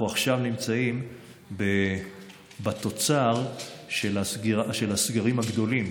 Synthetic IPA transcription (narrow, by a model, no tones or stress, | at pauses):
uaχʃavnimt͡saim | be | bat̪o̞t͡saʁʃelasɡiaʃe̞lasɡaʁimhaɡd̪o̞lim